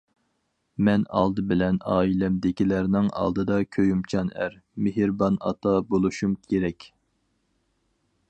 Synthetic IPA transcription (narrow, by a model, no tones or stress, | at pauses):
mɛnɑ̰lˠd̪ɨbɪlɛnɑːilɛmd̪ɪkʲilæɾnɪŋɑ̰lˠd̪ɨd̪ɑkʲʰøjymt͡ʃʰɑnæ̰ɾ | meɦɪɾbɑnɑ̰t̪ʰɑbolˠuʃumkʲʰeɾɛkʲ